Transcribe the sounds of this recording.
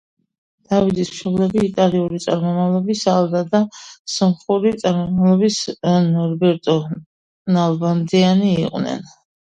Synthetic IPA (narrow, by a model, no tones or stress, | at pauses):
d̪̥avid̪ismʃɔblɛbiːt̪ʼaliuɾit̪sʼaɾmɔmavlˠɔbisalˠd̪ad̪asɔmχuɾit̪sʼaɾmɔmavlˠɔbisnɔɾbɛɾt̪ʼɔ | nalˠband̪ianiːqʼwnɛ̰n